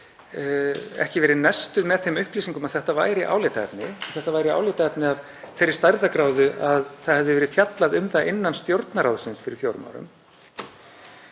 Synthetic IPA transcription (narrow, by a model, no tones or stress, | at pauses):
ɛ̰hcɪvɛːɾɪðnɛst̪ʏmɛðθejmʏhpliːsiŋkʏmaðθɛht̪ava̰ːjɾɪiʔa̰ːwleːt̪aɛpnɪɔθɛht̪avajɾɪia̰ːwleːt̪aɛpnɪav | fɛɾɪ̥st̪ajɾðakɾaːwðʏʔaðθaðhɛvðʏvɛːɾɪðfjat̪laðʏmθaʔɪnːanst̪jowɾt̪naɾaːwðsɪnsfɪɾɪɾ̥θjowɾma̰wɾʏ̰m